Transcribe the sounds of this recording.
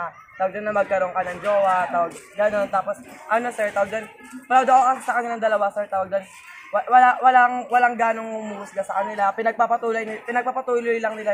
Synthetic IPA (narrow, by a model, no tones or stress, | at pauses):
a | t̪aːwɐɡ̚d͡ʒɐnːɐmɐɡ̚kɐɾo̞ŋkɐnɐŋd͡ʒoːwat̪aːwɐɡ̚ɡɐno̞nt̪aːposʔɐno̞sɛɹt̪aːwɐɡ̚d͡ʒan | pɐlawd̪okokɐsɪsɐkɐnɪlaŋd̪ɐlɐwasɛɹt̪aːwɐɡ̚d͡ʒɐn | wɐwɐlawɐlaŋwɐlaŋɡaːnoŋhʊmuːɡʊsɡasɐkɐnɪlapɪnɐɡ̚papɐt̪uːlojnɪpɪnɐɡ̚papɐt̪uːlojlɐŋnɪla